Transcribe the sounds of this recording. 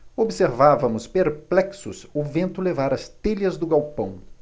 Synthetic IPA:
obseɾvavɐmʊspeɾplɛksʊ̰sʊvẽnt̪ʊlevaɾɐst̪eʎɐzd̪ʊɡawpɐ̃w̃

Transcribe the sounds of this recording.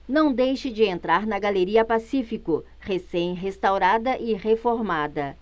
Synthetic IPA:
nɐ̃w̃d̪ejʃɪd͡ʒɪẽnt̪ɾaɾnɐɡaleɾiɐpasifikʊ | hesẽj̃ɦest̪awɾad̪ɐʔɪʁefoɾmad̪ɐ

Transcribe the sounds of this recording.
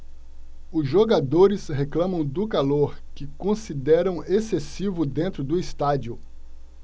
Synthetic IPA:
ʊzʒoɡad̪oɾɪsheklɐ̃mɐ̃w̃d̪ʊkaloɾkɪkõsid̪ɛɾɐ̃w̃esesivʊd̪ẽnt̪ɾʊd̪ʊist̪ad͡ʒiʊ

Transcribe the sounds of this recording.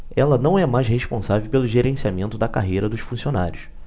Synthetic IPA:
ɛlɐnɐ̃w̃ɛmajsheʃpõsavewpelʊʒeɾẽsiamẽnt̪ʊd̪ɐkaɦejɾɐd̪ʊʃfũsionaɾjʊs

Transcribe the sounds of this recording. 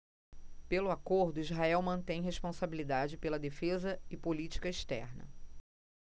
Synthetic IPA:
pelʊakoɾd̪ʊizɦaɛwmɐ̃nt̪ẽj̃ɦeʃpõsabilid̪ad͡ʒɪpelɐd̪efezɐɪpolit͡ʃi̥kɐiʃt̪ɛ̰ɾnɐ̰

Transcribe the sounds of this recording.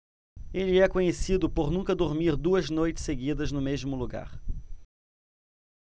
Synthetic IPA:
elɪɛkõɲesid̪ʊpoɾnũŋkɐd̪oɾmiɾd̪uɐznojt͡ʃɪ̥seɡid̪ɐznʊmezmʊluɡa̰ɾ

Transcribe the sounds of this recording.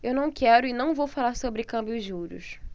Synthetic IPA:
ewnɐ̃w̃kɛɾʊɪnɐ̃w̃vowfalaɾsobɾɪkɐ̃mbjʊʒuɾʊ̰s

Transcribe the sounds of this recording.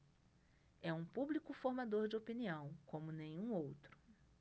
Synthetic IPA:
ɛũpublikʊfoɾmad̪oɾd͡ʒɪopiniɐ̃w̃kõmʊnẽj̃ũowt̪ɾʊ̥

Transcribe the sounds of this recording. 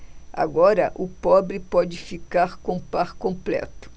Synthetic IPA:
a̰ɡɔɾɐʔʊpɔbɾɪpɔd͡ʒɪfikaɾkõpaɾkõmplɛ̰t̪ʊ̥

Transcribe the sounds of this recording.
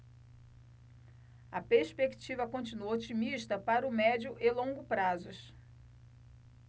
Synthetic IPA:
ɐpeɾspekt͡ʃivɐkõnt͡ʃinuɐot͡ʃimiʃt̪ɐpaɾʊmɛd͡ʒʊʔɪlõɡʊpɾazʊs

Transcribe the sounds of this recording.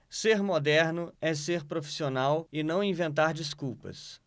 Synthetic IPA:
seɾmod̪ɛɾnʊɛseɾpɾofi̥sionawɪnɐ̃w̃ĩvẽnt̪aɾd͡ʒiskuwpɐ̰s

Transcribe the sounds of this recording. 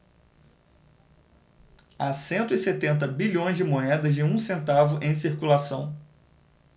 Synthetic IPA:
asẽnt̪ʊiset̪ẽnt̪̬ɐbiʎõj̃zd͡ʒɪmoɛd̪ɐzd͡ʒɪũsẽnt̪avʊʔẽj̃siɾkulasɐ̃w̃

